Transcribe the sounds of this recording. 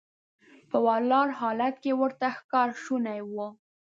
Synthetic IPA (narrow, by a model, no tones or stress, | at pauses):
pəwɑlɑɾɦɑlat̪̚kewəɾt̪axkɑɾʃunajwə